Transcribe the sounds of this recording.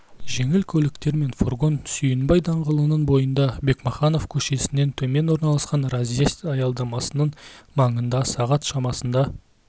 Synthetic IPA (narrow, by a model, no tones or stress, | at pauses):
ʒe̞ŋɪlkʲʰɵlɪkt̪eɾme̞nfurɡo̞nsʏjɪnbɑjd̪ɑɴʁəlˠənəɴbo̞jənd̪ɑbe̞kmɑχɑno̞fkʲʰɵʃe̞sɪne̞nt̪ʰɵme̞nwo̞ɾnɑlˠɑsqɑnrazest̪ɑjɑlˠd̪ɑmɑsənəɴmɑɴənd̪ɑsɑʁɑt̪ʃɑmɑsənd̪ɑ